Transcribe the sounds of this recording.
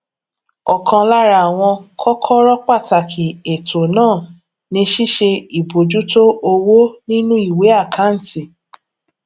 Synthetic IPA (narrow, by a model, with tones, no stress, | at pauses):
ɔ˨kʰã˧la˦ɾa˧a˨w̃ɔ̃˧kʰɔ˦kʰɔ˦ɾɔ˦k͡pa˦˨ta˨kʰi˨e˨tʰo˨nãː˦˨ | nĩ˧ʃi˦ʃe˧i˨bo˨d͡ʒu˦to˦o˧wo˦nĩ˦nũ˦i˦˨we˨˦a˦˨kʰã˨˦n̩˨ti˨